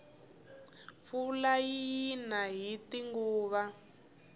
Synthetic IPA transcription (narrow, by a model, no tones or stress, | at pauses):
fulajinaɦitiŋɡuːβa